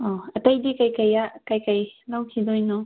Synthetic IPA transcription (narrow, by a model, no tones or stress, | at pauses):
ɔɐtajdikajkajakajkajlawkʰidojnɔ